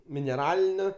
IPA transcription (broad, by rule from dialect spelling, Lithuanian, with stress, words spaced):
mʲɪnʲɛˈrɑːlʲɪnʲoː